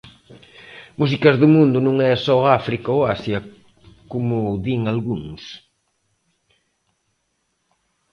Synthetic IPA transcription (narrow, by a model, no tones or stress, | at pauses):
musikɐzðʊmũnd̪ʊnũŋɛsɔafɾikaoasjɐ | kumʊðiŋalɣuŋs